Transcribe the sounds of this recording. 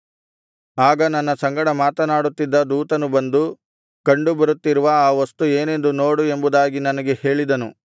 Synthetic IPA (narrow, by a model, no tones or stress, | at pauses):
aːɡɐnɐnːɐsɐŋɡɐɽɐmaːt̪ɐnaːɽut̪ːid̪ːɐd̪uːt̪ɐnubɐnd̪u | kɐɳɖubɐɾut̪ːiɾuʋɐaːʋɐst̪ueːne̞nd̪uno̞ːɽue̞mbud̪aːɡinɐnɐɡe̞he̞ːɭid̪ɐnu